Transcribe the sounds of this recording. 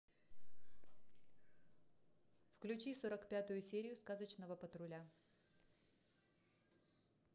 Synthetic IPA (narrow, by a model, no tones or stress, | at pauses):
fklʲʉt͡ɕisoɾəkpʲat̪ʊjʊsʲeɾʲɪjʊskazət͡ɕnəvəpət̪ɾʊlʲa